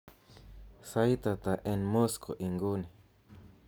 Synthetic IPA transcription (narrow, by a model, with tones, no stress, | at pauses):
sa˧˦i˦t̪a˧t̪a˨ʔe˧nmõ˦sko̰˨ʔi˧ŋɡu˦nĩ˨